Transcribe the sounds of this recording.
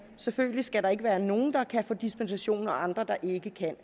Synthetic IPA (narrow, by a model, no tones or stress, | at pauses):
seføɡlisɡ̥æɾɑ̈e̝ɡ̥əʋæːɐno̝ːn̩d̥ɑ̈kʰæfɔ̰ːd̥isb̥ensæɕo̝̰ːnɒɑ̈nd̥ʁɐd̥ɑ̈ʔe̝ɡ̥əkʰæn̰